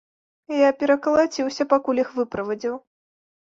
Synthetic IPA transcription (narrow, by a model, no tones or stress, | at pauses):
japʲɛɾɐkɐlˠat͡sʲiwsʲɐpakulʲixvɨpɾɐvɐd͡zʲiw